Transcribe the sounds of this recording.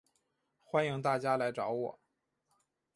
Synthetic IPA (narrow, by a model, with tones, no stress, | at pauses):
xwa˥ni˧˥ŋt̪a˥˩t͡ɕja˥la˧˥ɪʈ͡ʂɑ˧˥ʊwɔ̰˨˩˦